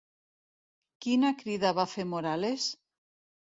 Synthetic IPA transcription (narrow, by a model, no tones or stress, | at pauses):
kinakɾiðaβafemoɾales